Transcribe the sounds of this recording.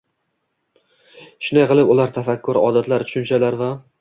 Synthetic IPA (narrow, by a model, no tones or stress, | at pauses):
ʃʊnajqɨlˠɪpʊlaɾt̪ʰafakʰːʊɾɒ̰d̪at̪laɾt̪ʰʊ̥ʃʊnt͡ʃʰalaɾva